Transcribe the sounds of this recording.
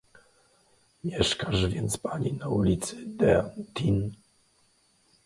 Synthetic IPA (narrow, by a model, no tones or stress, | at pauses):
mʲjɛʂkaʐvʲjɛnt̪spaɲʲinaulʲit̪sɨd̪ɛnt̪in